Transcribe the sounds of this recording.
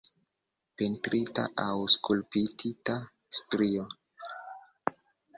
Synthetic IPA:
pentɾʔita̰ʔawskulpitʰita | stɾio

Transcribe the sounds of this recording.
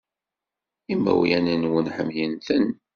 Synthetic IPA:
imːæ̰wjænænwənħəmjənθən

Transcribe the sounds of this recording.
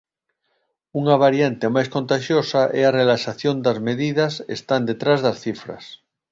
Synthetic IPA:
uŋaβ̞aɾjant̪emajskont̪aʃjosaʔɛarelaʃaθjond̪azmeðiðasḛst̪and̪et̪ɾazðasθifɾa̰s

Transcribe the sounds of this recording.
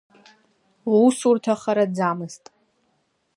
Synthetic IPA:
wwsurtʰaχaɾad͡zaːmɨztʼ

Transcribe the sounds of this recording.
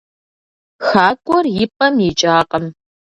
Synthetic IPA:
xaːkʷʼɔrjɪpʼɐmjɪt͡ʃʼaːqʼəm

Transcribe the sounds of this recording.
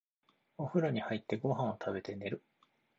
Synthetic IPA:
oɸɯ̟ɾoɲ̟ihait̪ːe̞ɡo̞ɦãɰ̃o̞t̪ʰabe̞t̪e̞ne̞ɾɯ̟

